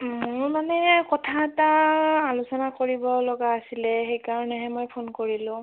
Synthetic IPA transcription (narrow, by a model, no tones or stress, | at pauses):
mʊɹmanɛkɔtʰaɛtaalʊsɔnakoɹibɔlɔɡaːsilɛxejkaɹɔnɛɦɛmojpʰonkoɹilʊ̃